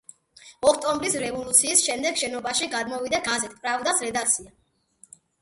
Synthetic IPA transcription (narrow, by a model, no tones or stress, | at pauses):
ɔkʰt̪ʼɔmbɾisɾɛvɔlˠut̪sʰiːsʃɛmd̪ɛɡʃɛnɔbaʃiɡad̪mɔvid̪aɡazɛt̪ʰpʼɾavd̪asɾɛd̪ak̚ʰt̪sʰia